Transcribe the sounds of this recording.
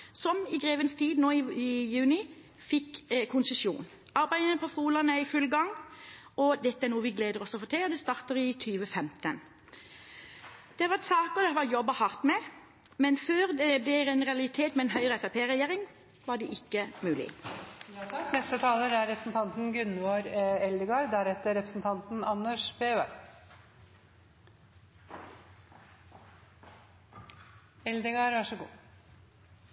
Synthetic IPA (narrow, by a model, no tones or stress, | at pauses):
sɔmɪɡɾeːʋənst̪ʰiːd̪noːɪjʉːnɪ | fɪkːkʰʊnsəsjṵːn | ɑɾbæɪənəpʰɔfuːlɑnəɪfʉlɡɑŋ | ɔd̪ɛt̪ːəæɾnuːəʋɪɡleːd̪əɾɔsɔfɔːt̪ʰɪlɔd̪ɛst̪ɑːʁt̪əɾɪt̪ʰyːʋəfɛmt̪ən | d̪̥ɛʋɑt̪sɑːkɔd̪ɛʋɑɾjɔbːɑhɑʁt̪mɛ | mɛnføːɾd̪ɛb̪ɛæɾɛnʁɛɑlɪt̪ʰeːt̪mɛɛnɦœʏʁəɛfæpʰeːʁɛjeːɾɪŋ | ʋɑːɖ̪iːʔɪkːəmʉːlɪ̰ | nɛst̪ət̪ʰɑːləɾæɾɾɛpɾəsn̩t̪ʰɑnt̪n̩ɡʉnʋoːɾɛld̪əɡɑːɾd̪æɾɛt̪ːəɾɛpɾəsn̩t̪ʰɑnt̪n̩ɑnːəʂbeːʋæ̰ɾ | ɛld̪əɡɑːɾʋɑʂəɡṵː